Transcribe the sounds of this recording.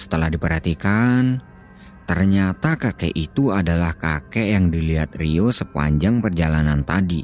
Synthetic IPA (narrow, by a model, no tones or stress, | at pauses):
sə̥t̪əlahdipərɦat̪ikan | t̪ərɲat̪akakḛʔit̪uadalahkakejaŋdiliɦat̪̚riosəpa̰ɲd͡ʒaŋpərd͡ʒalanant̪adi